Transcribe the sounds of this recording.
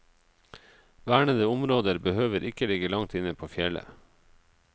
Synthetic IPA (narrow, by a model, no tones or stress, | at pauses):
ʋæːɳəd̪əʊmɾoːd̪əɾbəhøːʋəɾʔɪkəlɪɡəlɑŋt̪ɪnəpʰoːfjɛlə̰